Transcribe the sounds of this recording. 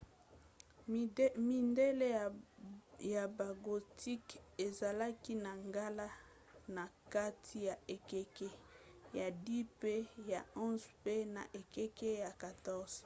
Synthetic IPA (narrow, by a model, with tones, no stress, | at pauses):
mi˨nde˦le˦ | ja˨ba˨ɡo˨tʰi˦ke˨za˨la˦ki˦na˨ŋɡa˦la˦ | na˨ka˦tʰi˦ja˨e˨ke˦ke˦ja˨di˦pe˦ja˨ɔ̃˦zpe˦na̰˨ʔe˨ke˦ke˦ja˨ka˨tɔ˦z̥